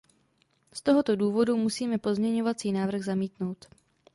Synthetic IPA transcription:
st̪o̞ɦo̞t̪o̞duːvo̞dumusiːmɛpo̞zmɲɛɲo̞vat͡siːnaːvr̩ɣzamiːt̪no̞wt̪

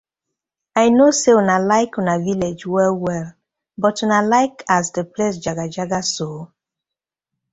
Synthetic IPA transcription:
ajnoseɔnalaɪkɔnaviled͡ʒwɛlwɛl | bɔtunalaɪkʰasdəples̬d͡ʒaɡad͡ʒaɡaso

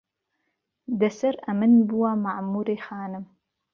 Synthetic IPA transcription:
dɐsɐɾɐmɨnbuwamaʕmuːɾeːχaːnɨm

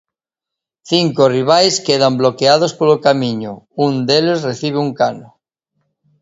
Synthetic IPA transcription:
θiŋkoriβ̞ajskeðamblokeað̞ospolokamĩɲo̰und̪elezreθiβ̞euŋkano

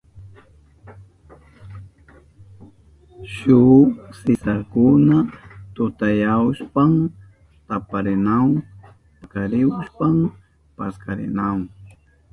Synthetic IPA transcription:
ʃusɪsaɾkʊnat̪ʊt̪ajawʃpam | t̪apaɾɪnaŋ | kaɾɪwʃpam | paskaɾɪ̰naŋ

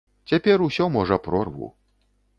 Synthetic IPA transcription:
t͡sʲapʲɛrusʲɔmɔʐɐpɾɔrvṵ

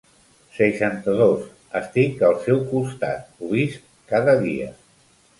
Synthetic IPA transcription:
səʃant̪əðos | əst̪ikəlˠsɛwkust̪a̰t̪̚uβist̪̚ | kaðəðḭə̰

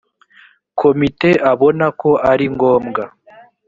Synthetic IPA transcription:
kʰo̞mite̞ʔaβo̞nako̞aɾiŋɡo̞ːmɡa

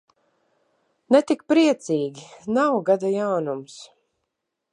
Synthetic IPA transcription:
nɛt̪ikpɾiɛt̪siːɡʲinawɡad̪ajawnums

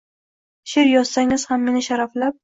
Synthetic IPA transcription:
ʃɪɾjɒz̥saŋɪz̥hamːe̞nɪʃaɾaflap̚

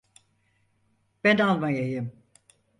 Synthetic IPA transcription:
b̥ænalˠmajajɯm

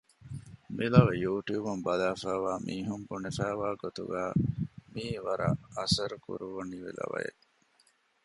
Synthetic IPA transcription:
milɐʋejuːʈjuːbumbɐlaːfæːʋaːmʔiːɦumbunefæːʋaːɡot̪ṵɡæːmiːʋɐɾɐ̰ɐsɐɾukṵɾuʋuniʋḭlɐ̰ʋɐ̰jḛ

